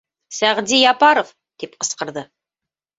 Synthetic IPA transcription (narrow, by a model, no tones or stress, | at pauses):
sæʁd̪ijɑpɑɾof | t̪ipqɤ̆sqɤ̆ɾðɤ